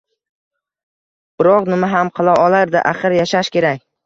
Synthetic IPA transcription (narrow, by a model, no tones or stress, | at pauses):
b̥ɪɾɒqnɪmaɦamqʰɨlˠawɒlˠaɾd̪ɪʔaχɨɾjaʃaʃkʲe̞ɾak̚ʲ